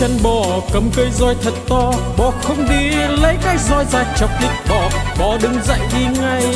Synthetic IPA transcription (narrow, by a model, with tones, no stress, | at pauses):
ə˧nɓɔ˧˩kə˨˩mkəː˧jzɔ˧jt̪ʰə˨˩t̚t̪ɔ˧ | ɓɔ˨˩xə˧wŋ͡mɗi˧lə˨˦jkaː˨˦˥k̚zɔ˧jzaː˨˩j̚t͡ɕə˨˩wk͡p̚li˨˩t̚ɓɔ˧˩ɓɔ˨˩ɗɨ˧ŋza̰˧˨jɗi˧ŋa˧j